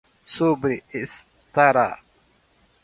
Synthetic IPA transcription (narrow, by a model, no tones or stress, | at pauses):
subɾiɪs | t̪aɾa̰